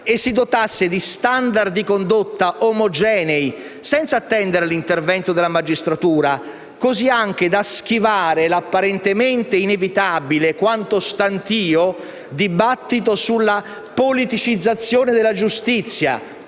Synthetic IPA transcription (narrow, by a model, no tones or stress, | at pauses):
esːid̪ot̪asːed̪ist̪and̪ard̪ikond̪ot̪ːaʔomod͡ʒɛːnei | sɛnt̪sat̪ːɛnd̪eɾalint̪ervɛnt̪od̪ɪlamad͡ʒist̪ɾat̪uːɾa | koziaŋk̟ed̪ask̟ivaːɾelapːaɾɛnt̪ement̪einevit̪abilekwant̪ost̪ant̪iːo | d̪ibat̪ːit̪̬osulːa | polit̪it͡ʃid̪zːat̪sːjoːned̪elːad͡ʒust̪it̪sːja̰